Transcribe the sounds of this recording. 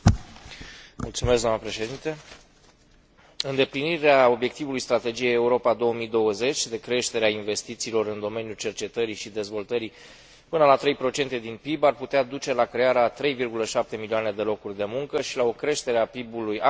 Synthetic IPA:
mṵlt̪sumesɡ̪d̪oamnəpɾe̞ʃe̞d̪int̪e̞ | ɨnd̪e̞pliniɾeao̞bje̞k̚t̪ivulujst̪ɾat̪e̞d͡ʒijejeuɾo̞pad̪o̞wəmid̪o̞wəze̞t͡ʃʲd̪e̞kɾe̞ʃt̪e̞ɾeainve̞st̪it̪siːlo̞ɾɨnd̪o̞me̞njut͡ʃe̞rt͡ʃe̞t̪əɾiʃid̪e̞zvo̞lt̪əɾi | pɨnəlat̪ɾe̞jpɾo̞t͡ʃe̞nt̪e̞d̪inpibarput̪ead̪ut͡ʃe̞lakɾe̞aɾeat̪ɾe̞jvirɡuləʃap̚t̪e̞milioane̞d̪e̞lo̞kurʲd̪e̞muŋkəʃilao̞kɾe̞ʃt̪e̞ɾeapibuluja

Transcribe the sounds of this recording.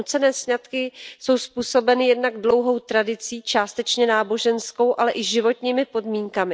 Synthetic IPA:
ut͡sɛnɛːsɲat̪kɪso̞wspuːso̞bɛnɪjɛdnaɡdlo̞wɦo̞wt̪ɾadɪt͡siːt͡ʃaːst̪ɛt͡ʃɲɛnaːbo̞ʒɛnsko̞wʔalɛʔɪʒɪvo̞t̪ɲiːmɪpo̞dmiːŋkamɪ

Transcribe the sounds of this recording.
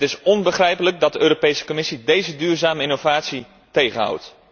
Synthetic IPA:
tɪsɔnbəχrɛjpələk̚dɑd̚dəøːropejsə̥komɪsidejzədyːrzaːməɪnovaːtsi | tejχənɦa̰wt

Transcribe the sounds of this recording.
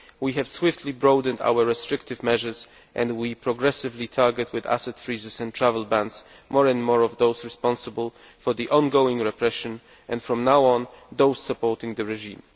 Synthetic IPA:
wiɦɛv̥swɪftʰlibɹoʊd̃nda̰wə˞ɹɛstɹ̥ɪktɨvmɛʒə˞z | ʔɛ̃ndwipʰɹɔɡɹɛsɨvlitʰɑɹɡɛtʰwɪðæ̰sɨtfɹizɨzɛ̃ntʰɹævəlˠbæ̃nds | mɔɹɛ̃ndmɔɹɔvðoʊzɹɛspɑ̃nsəbəlˠ | fɔɹðiʔɔ̃nɡoʊɪ̃ŋɹɛpɹɛʃɨ̃n | ʔɛ̃nfɹɔ̃mnawɔ̃nðoʊssəpɔɹtɪ̃ŋðɨɹɛʒĩm

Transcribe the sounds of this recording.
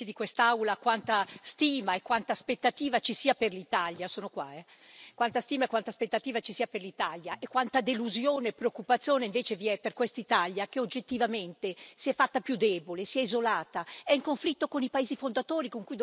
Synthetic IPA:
id̪ikwest̪aawlakwant̪ast̪iːmaekːwant̪aːspet̪ːat̪iːvat͡ʃisiːaperlit̪aljasoːnokwa̰ɛ | kwant̪ast̪iːmaekwant̪aspet̪ːat̪iːvat͡ʃisiːaperlit̪aljaʔekːwant̪ad̪eluzjoːneːpːɾeokːupat̪sːjoːneiɱveːt͡ʃeviɛperkwest̪it̪aljak̟eod͡ʒːet̪ːivament̪esiɛfːat̪ːapjud̪ɛbolesiɛizolaːt̪aɛiŋkoɱflit̪ːokonipaeːzifond̪at̪oːɾikoŋkujd̪

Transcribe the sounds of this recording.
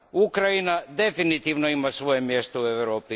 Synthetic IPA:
ukɾajinad̪e̞finit̪iʋnoimasʋo̞jemje̞st̪oueʋɾo̞ːpi

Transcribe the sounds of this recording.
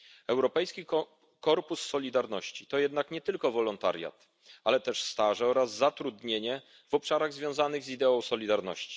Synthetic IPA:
ɛwɾɔpɛjskʲi | kɔɾpusːɔlʲid̪aɾnɔɕt͡ɕit̪ɔjɛd̪nakɲɛt̪ɘlkɔvɔlɔnt̪a̰ɾʲja̰t̪ | alɛt̪ɛʂst̪aʐɛɔɾazːat̪ɾud̪ɲeɲɛ | vɔpʂaɾaɣzvʲjɔ̃w̃zanɘɣzid̪ɛɔ̃w̃sɔlʲid̪aɾnɔ̰ɕt͡ɕi̥

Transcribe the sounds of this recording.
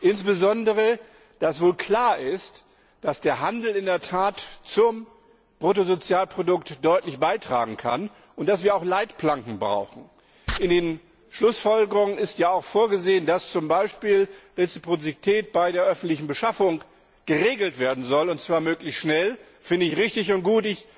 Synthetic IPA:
ʔɪnsb̥əzɔndəʁ̞ə | d̥asv̥oːlkʰl̥aːɐʔɪst | d̥asd̥eːɐɦandl̩ɪndeːɐtʰaːtt͡sʊm | b̥ʁot̬ozot͡sjaːlpʁ̥odʊktd̥ɔʏtlɪçb̥aɪtʁ̥a̰ːɡŋ̩kʰa̰n | ʔʊntd̥asv̥iːɐaʊxlaɪtpl̥aŋkŋ̩bʁa̰ʊxn̩ | ʔɪndeːn | ʃlʊsfɔlɡəʁʊŋənɪstjaːaʊxfoːɐɡəzeːəndast͡sʊmbaɪʃpiːlʁet͡sipʁ̥ot͡sitʰɛːt̚b̥aɪdeːɐʔœfn̩tlɪçn̩bəʃafʊŋ | ɡ̥əʁeːɡl̩tv̥eːɐdn̩zɔlʊnt̚t͡sv̥aːɐmøːklɪçstʃnɛl | fɪndəɪçʁɪçtɪçʊnt̚ɡ̥uːtɪç

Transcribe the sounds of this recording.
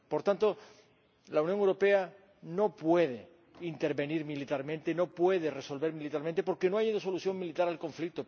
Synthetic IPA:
po̞ɾt̪ant̪o̞ | launjoŋewɾo̞pe̞a | no̞pwe̞ðe̞ | int̪e̞ɾβe̞niɾmilit̪aɾmẽ̞nt̪eno̞pwe̞ðe̞re̞so̞lβe̞ɾmilit̪aɾment̪e̞po̞ɾke̞noajeðoso̞luθjo̞ŋmilit̪aɾalko̞ɱflik̚t̪o

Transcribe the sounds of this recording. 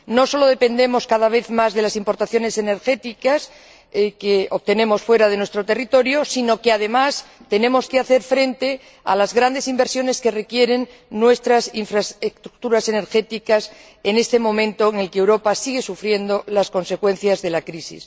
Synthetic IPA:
no̞so̞lo̞ð̞e̞pe̞nd̪e̞mo̞skaðaβ̞e̞θmazðe̞lasimpoɾt̪aθjo̞ne̞se̞ne̞ɾxe̞t̪ikas | keoβt̪e̞nẽ̞mo̞sfwe̞ɾað̞e̞nwe̞st̪ɾot̪e̞rit̪o̞ɾjo̞sino̞keaðe̞mast̪e̞nẽ̞mo̞skeaθe̞ɾfɾe̞nt̪e̞ | a̰lazɣɾand̪e̞simbeɾsjo̞ne̞ske̞re̞kje̞ɾe̞nː | we̞st̪ɾasiɱfɾasest̪ɾuk̚t̪uɾase̞ne̞ɾxe̞t̪ikas | e̞ne̞st̪e̞mõ̞mẽ̞nt̪oeŋe̞lkeewɾo̞pasiɣ̞e̞sufɾje̞nd̪o̞lasko̞nse̞kwe̞n̟θjazðe̞lakɾisḭs

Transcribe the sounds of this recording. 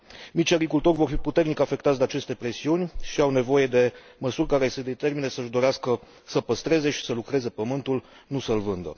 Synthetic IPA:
mit͡ʃʲaɡɾikult̪o̞rʲvo̞rfiput̪e̞rnikafe̞k̚t̪at̪sd̪eat͡ʃe̞st̪e̞pɾe̞siunʲʃiawne̞vo̞je̞d̪e̞ | məsurʲkaɾe̞se̞d̪et̪e̞rminesəʒd̪o̞ɾeaskə | səpəst̪ɾe̞ze̞ʃi̥səlukɾe̞ze̞pəmɨnt̪ul | nusəlvɨnd̪ə̰

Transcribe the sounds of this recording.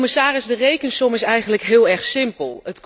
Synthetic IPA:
mɪsaːrɪsdərejkənsɔmɪsɛjχənləkɦɪːlˠɛɹχsɪmpəlˠətk

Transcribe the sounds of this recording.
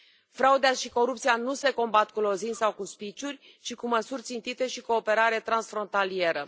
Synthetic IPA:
fɾaud̪eaʃiko̞ɾup̚t̪sijanuse̞ko̞mbat̪kulo̞zinʲsawkuspit͡ʃurʲ | t͡ʃikuməsurʲt̪sint̪it̪e̞ʃiko̞ːpe̞ɾaɾet̪ɾansfɾo̞nt̪alie̞ɾə

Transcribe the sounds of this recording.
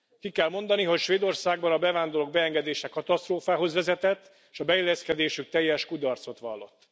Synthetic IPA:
kikɛlmo̞nd̪ɒniɦo̞cʃʋeːd̪o̞rsaːɡ̚bɒnɒbɛvaːnd̪o̞lo̞ɡ̚bɛɛŋɡɛd̪eːʃɛkɒt̪ɒst̪roːfaːɦo̞zʋɛzɛt̪ɛt̪ː | ʃɒbɛilːɛskɛd̪eːʃyk̚t̪ɛjːɛʃkud̪ɒrt̪so̞t̪ʋɒlːo̞t̪ː

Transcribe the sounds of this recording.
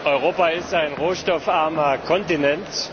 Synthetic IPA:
ʔɔʏʁoːpaɪstaɪnʁoːʃtɔfʔaɐmɐkʰɔntinɛnt

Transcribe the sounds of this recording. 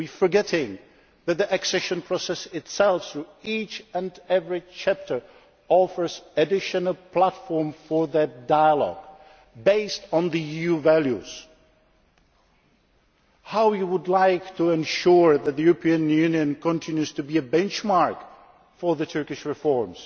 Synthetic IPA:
wifə˞ɡɛɾɪ̃ŋ | ðɨt̪̚ðiʔɨksɛʃɨ̃npʰɹ̥ɔsɛsɪtsɛlˠfθɹuit͡ʃɨ̃nɛvɹit͡ʃʰæp̚tʰə˞ | ɔfə˞zɨdɪʃɨnəlˠpʰl̥ætfɔɹmfə˞ðɨt̚daɪəlɔ̰ɡ̥ | beɪstn̩ðɨijuvælˠjʉz̥ | haʊjɨwədˡlaɪktʰəɛ̃nʃʊɹðɨt̪̚ðɨjʉɹəpʰĩɨ̃njʉnjɨ̃nkʰə̃ntʰɪ̃njʉz̥tʰɨbiɨbɛ̃nt͡ʃmɑɹk | fə˞ðɨtʰɜ˞kɪʃɹɨfɔɹmz̥

